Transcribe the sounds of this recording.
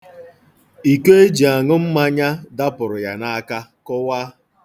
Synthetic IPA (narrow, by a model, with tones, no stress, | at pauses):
i˨ke˦e˦d͡ʒi˨a˨ŋʊ˦m̩˦ma˦ɲa˦da˦pʊ˨ɾʊ˨ja̰˨na˦ka˦kʊ˦wa˦